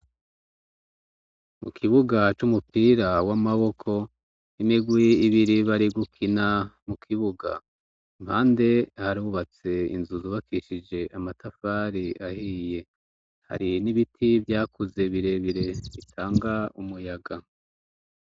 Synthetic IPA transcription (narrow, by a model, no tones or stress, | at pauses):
mṵkʰiβuɡat͡ʃumupiːɾawamaβo̞kʰo̞ | imiɡwiiβiɾiβaɾiɡukʰinamukʰiβuɡa̰ | imhaːnde̞haɾuβat͡se̞ḭnzuzuβakiʃid͡ʒe̞ʔamatafaɾiʔahiːje̞ | ha̰ɾiniβitʰivjaːkuze̞βiɾe̞βiɾe̞βitʰaːŋɡaumujaɡa